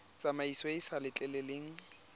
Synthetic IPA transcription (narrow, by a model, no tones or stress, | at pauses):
t͡sʼamaiswɔɪsalɪt͡ɬʼɛleleːŋ̩